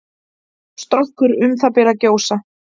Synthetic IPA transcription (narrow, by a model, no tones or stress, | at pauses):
st̪ɾɔŋkʏɾʏmθapɛɾacoːwsa